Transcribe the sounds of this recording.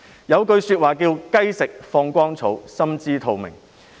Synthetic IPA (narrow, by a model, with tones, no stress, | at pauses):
jɐ˨˧wkɵ˧ɥsyː˧t̚waː˨˩kiː˧wkɐ˥jsɪ˨k̚fɔː˧ŋkʷɔː˥ŋt͡sʰo˨˥wsɐ˥mt͡siː˥t̪ʰo˨wmɪ˨˩ŋ